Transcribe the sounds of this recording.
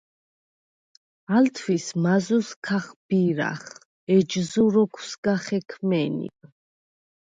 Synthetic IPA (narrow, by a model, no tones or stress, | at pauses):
alt̪ʰwismazuskʰaχb̥iɾa̰χ | ɛd͡ʒzuɾɔkʰwsɡaχɛkʰmɛnḭpʼ